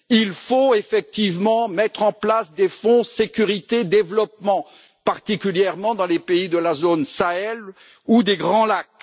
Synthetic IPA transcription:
ilfoefɛk̚t̪ivmɑ̃mɛt̪χɑ̃plasd̪efɔ̃sekʲyʁit̪ed̪evlɔp̚mɑ̃ | paʁt̪ikʲyljɛʁmɑ̃d̪ɑ̃lepeid̪əlazonsaɛl | ud̪eɡʁɑ̃lak

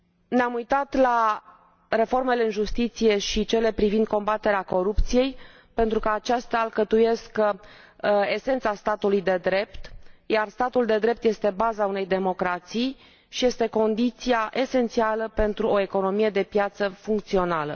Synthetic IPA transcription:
neamujt̪at̪la | re̞fo̞rme̞leɨnʒust̪it̪sije̞ʃit͡ʃe̞le̞pɾivind̪̚ko̞mbat̪eɾeako̞ɾup̚t̪sije̞j | pe̞nt̪ɾukəat͡ʃast̪alkət̪uje̞skə | ese̞nt̪sast̪at̪ulujd̪e̞d̪ɾe̞pt̪jarst̪at̪uld̪e̞d̪ɾe̞p̚t̪je̞st̪e̞bazaune̞jd̪e̞mo̞kɾat̪sij | ʃije̞st̪e̞ko̞nd̪it̪sijaʔe̞se̞nt̪sialəpe̞nt̪ɾuo̞e̞ko̞no̞mije̞d̪e̞pjat̪səfuŋk̚t̪sio̞nalə̰

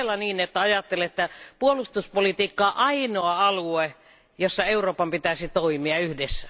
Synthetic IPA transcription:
lːɑniːnet̪ːæɑjɑt̪ːelet̪ːæpuolust̪uspolit̪iːkːɑːʔɑinoɑɑlue | josːɑeuroːpɑmpit̪æsit̪oimiɑyhdesːæ̥

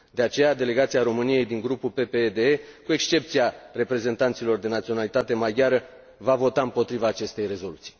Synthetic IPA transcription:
d̪e̞at͡ʃe̞jad̪e̞le̞ɡat̪siaɾo̞mɨnije̞jd̪iŋɡɾupulpe̞pe̞d̪eekue̞kst͡ʃe̞p̚t̪siare̞pɾe̞ze̞nt̪ant̪silo̞rd̪e̞nat̪sionalit̪at̪e̞maɡʲjaɾə | vavo̞t̪aɨmpo̞t̪ɾivaːt͡ʃe̞st̪e̞jre̞zo̞lut̪si̥j

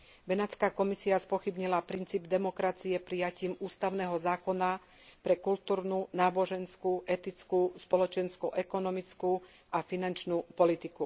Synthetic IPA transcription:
bɛnat͡skaːkɔmisiaspɔxibɲilapɾint͡siːbd̪ɛmɔkɾat͡siɛpɾijaciːmuːst̪aʊnɛːɦɔzaːkɔna | pɾɛkult̪uːɾnunaːbɔʒɛnskuːʔɛt̪it͡skuːspɔlɔt͡ʃɛnskuʔɛkɔnɔmit͡sku | ʔafinant͡ʃnuːpɔlit̪iku

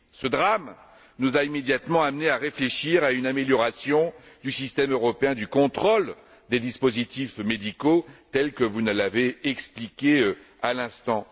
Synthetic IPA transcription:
səd̪ʁam | nuzaimed̪jat̪mɑ̃amneaʁefleʃiʁaynameljɔʁasjɔ̃d̪ysist̪ɛmøʁɔpeɛ̃d̪ykɔ̃t̪χol | d̪ed̪ispozit̪ifmed̪ikot̪ɛlkəvunəlaveɛksplikʲe | alɛ̃st̪ɑ̃

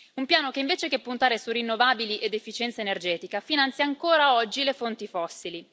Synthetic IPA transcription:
umpjaːnokeiɱveːt͡ʃekepːunt̪aːɾesurinːovaːbiliʔed̪efːit͡ʃɛnt̪saenerd͡ʒɛːt̪ikafinant̪sjaːŋkoːɾaɔd͡ʒːilefont̪ifɔsːili

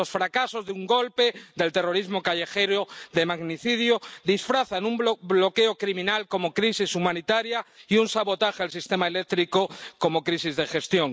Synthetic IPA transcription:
osfɾakaso̞zðeuŋɡo̞lpeðe̞lt̪e̞ro̞ɾizmokaʝe̞xeɾoðe̞maɣniθiðjod̪isfɾaθanumblo̞keokɾimĩnalko̞mo̞kɾisisumãnit̪aɾjaiunsaβo̞t̪axealsist̪e̞maelek̚t̪ɾikoko̞mokɾisizðe̞xe̞st̪jo̞ŋ

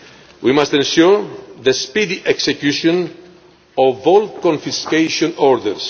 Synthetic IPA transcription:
wimast̪ẽnʃuɹðəspid̪iʔeksekjuʃõn | ɔvɔlkõɱfiskeʃõnɔɾd̪ə̰ns

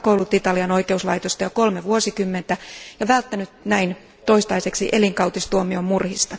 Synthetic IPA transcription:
kowlut̪it̪ɑliɑno̞jke̞uslɑijt̪ost̪ɑjɑko̞lmeʋuosikymːent̪æjɑʋælt̪ːænyt̪næin | t̪o̞ist̪ɑjse̞ksiʔeliŋkɑwt̪ist̪uomiommurhist̪ɑ

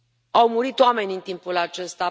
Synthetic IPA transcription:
awmuɾit̪oame̞nʲɨnt̪impulat͡ʃe̞st̪a

